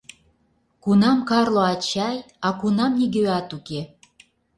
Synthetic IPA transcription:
kunɑmkɑrloɑt͡ɕɑj | ɑkunɑmniɡøɑt̪uke

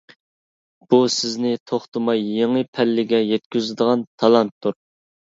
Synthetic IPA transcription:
b̥usɪznɪt̪ʰoχt̪ɨmɑjːeŋəpʰɛlːɪɡʲɛjɛt̪kʲyzɪd̪əʁɑnt̪ʰɑlˠɑnt̪ʰːuɾ

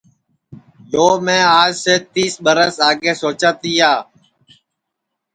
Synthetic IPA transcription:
ɗoːmẽːaːd͡ʒseːt̪iːsɓəɾəsaːɠeːsoːt͡ʃaːt̪iːaː

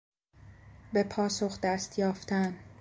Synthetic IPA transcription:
be̞pʰɒːso̞xd̪æst̪jɒːft̪ʰæn

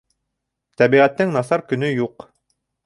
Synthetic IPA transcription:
t̪æβiʁæt̪ːɘŋnɑsɑɾkɵ̆nɵjuq

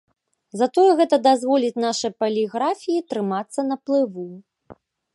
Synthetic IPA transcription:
zɐt̪ɔjɛɣɛt̪ɐd̪azvɔlʲit͡sʲnaʂɨjpɐlʲiɣɾafʲijit̪ɾɨmat̪sːɐnɐplˠɨvu

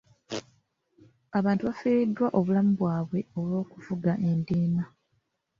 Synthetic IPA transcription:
aβaːntuβafiːɾidːwaʔo̞βulamuβwaːβwe̞o̞lwo̞ːkuvuɡaʔe̞ndiːna

